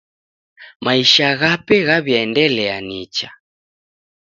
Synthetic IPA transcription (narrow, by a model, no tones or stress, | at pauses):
maiʃaɣapɛɣaβjaɛndɛlɛanit͡ʃa